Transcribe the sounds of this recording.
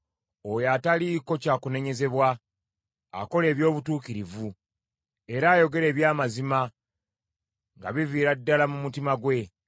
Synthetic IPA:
ojaːtaliko̞caːkune̞ɲe̞ze̞βwa̰ː | ko̞le̞ːβjo̞ːβutuːkiɾivu | e̞ɾaːjo̞ɡe̞ɾe̞ːβjaːmazima | ŋɡa̰βiviːɾadːalamumutimaɡwe̞

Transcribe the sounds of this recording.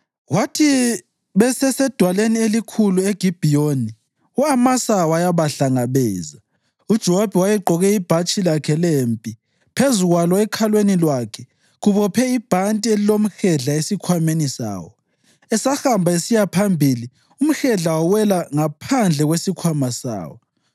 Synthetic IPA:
watʰi | βɛsɛsɛd̥ʱwalenielikʰulueɡ̥ʱib̥ʱijoni | uamasawajaβaɬaŋaβɛːza | ud̥ʒ̥ʱɛwab̥ʱɛwajɛɡ͡ǃʱɔɣɛib̥ʱat͡ʃʼilakʰɛleːmpʼi | pʰezuɣwalɔɛkʰalwenilwakʰɛ | ɣuβɔpʰɛib̥ʱantʼielilom̩xɛɮaesikʰwamenisa̰ːwɔ | ɛsahambʱaesijapʰambʱili | um̩xɛɮawawɛlaŋapʰand͡ɮʱɛɣwesikʰwamasa̰ːwɔ

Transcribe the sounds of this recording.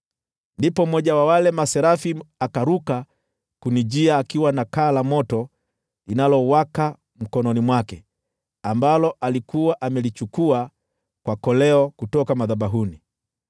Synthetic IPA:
ndipɔmɔʄawawalɛmasɛɾafiakaɾuka | kunid͡ʒiaːkiwanakaːlamɔtɔ | linalɔwaka | m̩kɔnɔnimwakɛ | ambalɔʔalikuaʔamɛlit͡ʃukua | kwakɔlɛɔkutɔkamaðaɓaɦuni

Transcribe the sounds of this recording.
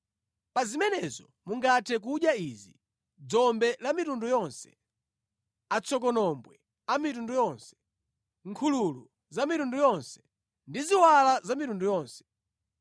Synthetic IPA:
pazimɛnɛzɔ | muŋɡatʰɛk̬uɗjaizi | d͡zɔmbɛlamitundujɔnsɛ̥̰ | at͡sʰɔk̬ɔnɔmbwɛ | amitundujɔnsɛ̥ | ŋ̩kʰululu | zamitundujɔnsɛ̥ | ndiziwalazamitundujɔːnsɛ̥

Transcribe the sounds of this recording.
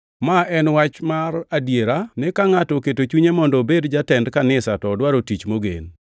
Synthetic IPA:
maʔɛnwat͡ʃmaɾadjeɾanɪkaŋatɔketot͡ʃuɲemɔndɔbedd͡ʒatɛndkanɪsatɔːdwaɾotit͡ʃmoɡḛn

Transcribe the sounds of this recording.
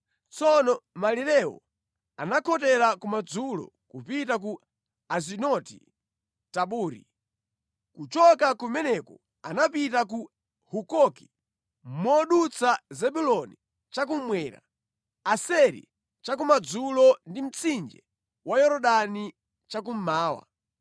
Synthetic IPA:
t͡sɔnɔmaliɾɛwɔ̰ | anakʰɔtɛɾakumad͡zulɔ̰kupitak̬u | azinɔtḭ | taɓuːɾḭ | kut͡ʃɔkakumɛnɛkɔ | anapitaku | hukɔki̥ | mɔɗut͡sʰazɛɓulɔni | t͡ʃak̬umwɛːɾa̰ | asɛɾḭ | t͡ʃak̬umad͡zulɔndim̩t͡sʰind͡ʒɛ̰ | wajɔɾɔɗani | t͡ʃak̬um̩maːwa̰

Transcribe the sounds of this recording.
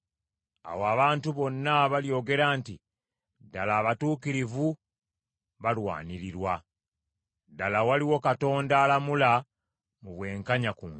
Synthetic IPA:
a̰waβaːntuβo̞nːaβaljo̞ːɡe̞ɾaːnti | dalaːβatuːkiɾivu | βalwa̰ːniɾiɾwa | dalawaliwo̞kato̞ːndaːlamula | muβwe̞ːŋkaɲakuː

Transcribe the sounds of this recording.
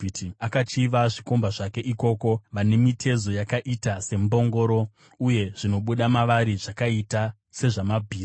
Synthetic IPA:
tiakat͡ʃiʋaʐiko̞mbaʐake̞ʔiko̞ko̞ʋane̞mitʰe̞zo̞jakaʔitase̞mbo̞ŋɡo̞ɾo̞ | uje̞ʐ̥ino̞ɓuɗamaʋaɾiʐakaita | se̞ʐamabʱiː

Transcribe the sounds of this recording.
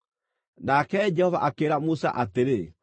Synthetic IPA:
nakɛd͡ʒɛhɔva̰ʔakeɾamusa̰ʔateɾe

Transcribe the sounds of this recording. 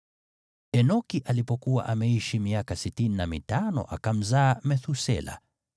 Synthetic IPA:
ɛnɔkiʔalipɔkuwa̰ʔamɛiʃimiakasitininamḭtanɔ̰ʔa̰kam̩zaːmɛθusɛ̰la̰

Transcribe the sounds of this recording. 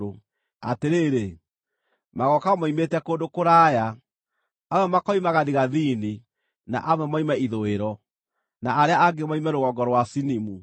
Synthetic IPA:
o | a̰teɾeːɾe | maɣɔkamaimetɛkoːndokoɾaːja | awɛmakɔimaɣaðiɣaðini | na̰ʔamɛmaimɛiðoeɾɔ | naʔaɾeaaɡemaimɛɾoɣɔɡɔɾwasinimu

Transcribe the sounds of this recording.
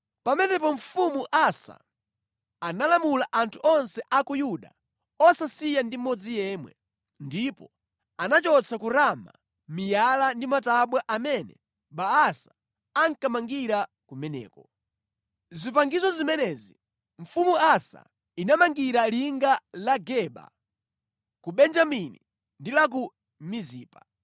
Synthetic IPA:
pamɛnɛpɔɱ̩fumuʔasa̰ | analamulaʔantʰuʔɔnsɛʔakujuɗa̰ | ɔsasijandimɔd͡zijɛmwɛ̰ | ndipɔ | anat͡ʃɔt͡sʰakuɾama̰ | mijalandimataɓwaʔamɛnɛ̰ | ɓaːsḁ | aŋkamaŋɡiɾa | kumɛnɛ̰ːkɔ | zipaŋɡizɔzimɛnɛzi | ɱ̩fumuasa̰ | inamaŋɡiɾaliŋɡalaɡɛɓa̰ | kuɓɛnd͡ʒaminḭ | ndilak̬u | miziːpa

